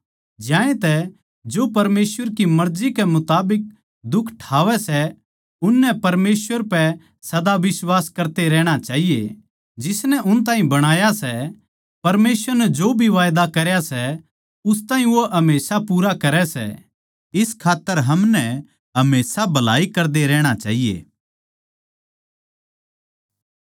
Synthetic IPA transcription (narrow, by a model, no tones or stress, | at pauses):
d͡ʒjãːẽt̪ɛ | d͡ʒoːpɐɾmeːsʋəɾkimɐɾzikɛmʊt̪aːbɪk̚ | d̪ʊkʰːʈʰaːʋɛsɛ | ʊnːɛpɐɾmeːsʋəɾpɛ | sɐd̪aʋɪswaːskɐɾt̪eɾɛːɽ̃at͡ʃaːɦijḛ | d͡ʒɪsnɛʔʊnt̪̬aːɦĩbɐɽ̃aːjasɛ | pɐɾmeːsʋəɾnɛd͡ʒoːbʱiʋaːjd̪akɐɾjasɛ | ʊst̪ãːĩʋoɦɐmeːsapuːɾakɐɾɛsɛ̰ | ɪskʰaːt̪ːəɾɦɐmnɛ | ɦɐmeːsabʱɐla̰ːikɐɾd̪eɾɛːɽ̃at͡ʃa̰ːɦijḛː